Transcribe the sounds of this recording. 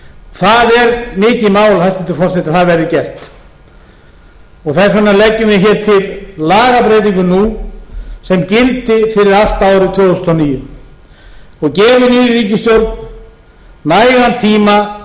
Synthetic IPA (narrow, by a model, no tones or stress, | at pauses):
θaðɛɾmɪːcɪmaːwlaθast̪ɪnt̪ɪ̥ɾfɔr̥sɛt̪aθaðvɛɾðɪcɛr̥t̪ | ɔɣθɛsanːalɛcːʏmɪðçɛːɾ̥t̪ʰɪllaːɣapɾejt̪̬iŋkʏnu | sɛmcɪlt̪ɪfɪɾɪɾal̥t̪aːwɾɪðt̪ʰvœːðʏst̪ʰɔniːjʏ | ɔɣcɛːvʏniːɾɾiːcɪst̪jowɾk̪n | naːjɣant̪ʰiːma